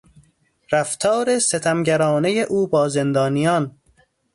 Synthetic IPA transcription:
ɾæft̪ʰɒːɾe̞set̪ʰæmɟæɾɒːne̞jeʔuːbɒːze̞nd̪ɒːnijɒːn

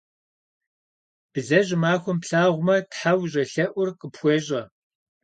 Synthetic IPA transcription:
b̥ɨzɐʑɪmaːxʷʊmpɬaːʁʷʊmɐtħawʒʑɐɬɐʔʷʊrqʼəpxʷeːʑʼɐ

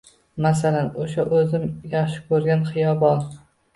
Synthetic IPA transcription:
masalanoʃaʔɵzɪmjɑχʃɪ̥kʰɵɾɡʲanχɪjɒbɒɾ

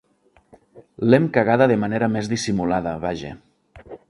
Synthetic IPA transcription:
lemkaɣ̞aðəðemaneɾəmezðisimulaðəβaʒḛ

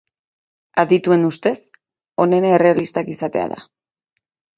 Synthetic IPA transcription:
aðit̪ue̞nust̪e̞s | o̞ne̞naere̞alist̪akisat̪e̞a̰ða̰

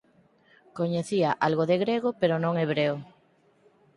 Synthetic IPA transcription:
koɲeθiaʔalɣoðeɣɾeɣ̞opeɾonõŋeβɾeo

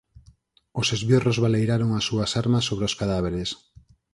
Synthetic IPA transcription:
osezβjorozβalejɾaɾoŋasːuasaɾmasːoβɾeoskaðaβ̞eɾes

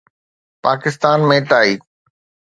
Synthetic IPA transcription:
paːkɪst̪aːnmẽːʈaːiː

